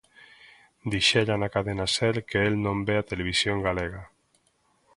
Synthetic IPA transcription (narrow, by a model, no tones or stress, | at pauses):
d̪iʃeʎanakaðenasɛlkeelnõmbeat̪eleβ̞isjoŋɡaleɣa